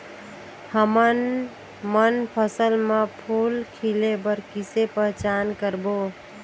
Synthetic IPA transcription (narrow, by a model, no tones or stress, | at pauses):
həmən | mənpʰəsəlmepʰulkʰilebəɾkisepəɦt͡ʃankəɾbo